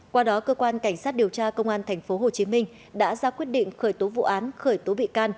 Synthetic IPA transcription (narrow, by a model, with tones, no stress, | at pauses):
kwaː˧ɗɔ˨˦kəː˧kwaː˧nka˧˩ŋ̟sa˦˥t̚ɗi˨˩əwt͡ɕaː˧kə˧wŋ͡mʔaː˧nt̪ʰɛ˨˩jŋ̟fo˨˦ɦo˨˩t͡ɕi˨˦mï˧ŋ̟ | ɗa̰ː˧˥zaː˧kwi˦˥ət̚ɗḭ̈˧˨ŋ̟xəː˧˩jt̪o˨˦vṵ˧˨ʔaː˨˦nxəː˧˩jt̪o˨˦ɓḭ˧˨kaː˧n